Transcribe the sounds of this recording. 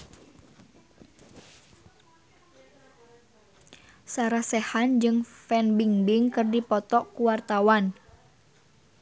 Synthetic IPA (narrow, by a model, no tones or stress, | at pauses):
saɾasɛhand͡ʒɨŋfɛnbiŋbiŋkɨrdipɔt̪ɔʔkuwart̪awan